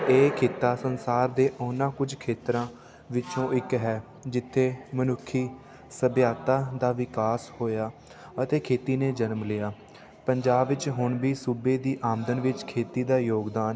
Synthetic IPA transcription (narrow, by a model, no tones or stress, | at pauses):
eːkʰeːt̪aːsənsaːɾd̪eːʔɔːnãːkʊd͡ʒkʰeːt̪ɾãː | ʋɪt͡ʃõːʔɪkɦɛː | d͡ʒɪt̪ʰːeːmənʊkʰːiː | səbjaːt̪aːd̪aːʋɪkaːshoːjaː | ət̪eːkʰeːt̪iːneːd͡ʒənmlɪːjaː | pəɲd͡ʒaːbʋɪt͡ʃɦʊɳbiːsuːbeːd̪iːʔaːmd̪ənʋɪt͡ʃkʰeːt̪iːd̪aːjoːɡd̪aːn